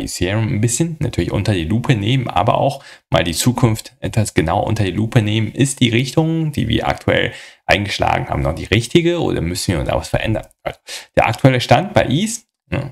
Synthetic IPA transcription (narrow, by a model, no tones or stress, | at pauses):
ḭseːʁnnbɪsçənnatʰyːɐlɪçʔʊ̰ntɐdiːluːpʰəneːmənʔa̰ːbɐ̰ʔa̰ʊxma̰ːldiːt͡suːkʰʊnftʔɛtv̥asɡ̥ənaʊʔʊ̰ntɐdiluːpʰəneːmənʔɪstd̥iːʁ̞ɪçtʊŋd̥ḭːvḭːɐʔa̰k̚tʰuɛ̰lʔaɪnɡəʃla̰ːɡŋ̩haːbm̩nɔχd̥iːʁɪçtɪɡəʔo̰ːdɐ̰mʏsn̩viːʊnda̰ːvasfɛɐʔɛ̰ndɐnʔalzod̥eːɐʔa̰k̚tʰuɛləʃtant̚b̥aɪʔiːs | nə